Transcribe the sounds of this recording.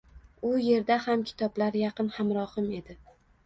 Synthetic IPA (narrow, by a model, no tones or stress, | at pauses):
ʊje̞ɾd̪ahamkʲʰɪ̥t̪ʰɒblaɾjɑqɨnhamɾɒhɨme̞d̪ɪ